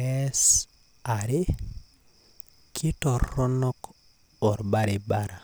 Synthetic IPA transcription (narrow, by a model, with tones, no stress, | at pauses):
ɛ˦s | a˨ɾe˦ | kʰɪ˦tɔ˨ɔ˦nɔ˦k | ɔ˨ɾba˦ɾɪ˨ba˦ɾa˨